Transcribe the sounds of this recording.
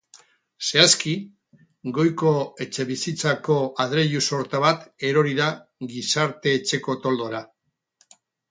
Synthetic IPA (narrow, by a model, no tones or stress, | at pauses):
se̞aski | ɡo̞jko̞e̞t͡ʃe̞βisit͡sako̞aðɾe̞ʎuso̞ɾt̪aβ̞at̪e̞ɾo̞ɾiðaɡisaɾt̪e̞ːt͡ʃe̞ko̞t̪o̞ld̪o̞ɾa